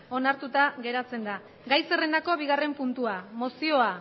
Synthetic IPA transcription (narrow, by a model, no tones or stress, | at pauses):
o̞naɾt̪ut̪aɣe̞ɾat͡se̞nd̪a | ɡajse̞re̞nd̪ako̞βiɣare̞mpunt̪uamo̞sio̞a